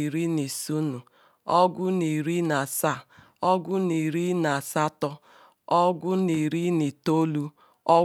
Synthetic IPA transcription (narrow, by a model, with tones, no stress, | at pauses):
ɾi˦ni˨su˦nu˨ | ɔ˦ɡʷʊ˦ni˨ɾi˦na˨sa˦˨ | ɔ˦ɡʷʊ˦ni˨ɾi˦na˨sa˦tɔ˦ | ɔ˦ɡʷʊ˦ni˨ɾi˦ni˨to˦lu˦ | ɔ˦